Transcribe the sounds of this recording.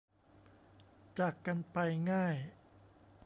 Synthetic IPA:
t͡ɕaː˨˩kːa˧npa˧jŋaː˥˩j

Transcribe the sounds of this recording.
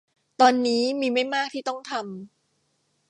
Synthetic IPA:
t̪ɔː˧nːiː˦˥miː˧ma˥˩jmaː˥˩k̚t̪ʰiː˥˩t̪ɔ˥˩ŋt̪ʰa˧m

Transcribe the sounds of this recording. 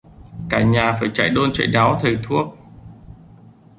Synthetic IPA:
kaː˧˩ɲaː˨˩faː˧˩jt͡ɕa̰˧˨jɗo˧nt͡ɕə̰˧˨jɗaː˨˦wt̪ʰə˨˩jt̪ʰu˦˥ək̚

